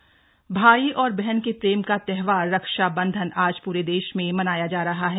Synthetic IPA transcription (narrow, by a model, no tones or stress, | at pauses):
bʱaːiʔɔːɾbɛɦɛnkepɾeːmkat̪ɛɦʋaːɾːɐkʃabɐ̃nd̪ʱənʔaːd͡ʒpuːɾed̪eːʃmẽmɐnaːjad͡ʒaːɾɐɦaɦɛː